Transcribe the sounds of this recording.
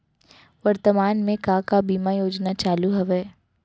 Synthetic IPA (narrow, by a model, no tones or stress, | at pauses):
ʋɐɾt̪əmaːnmẽkãːkabiːmajoːd͡ʒnat͡ʃaːluɦɐʋɛː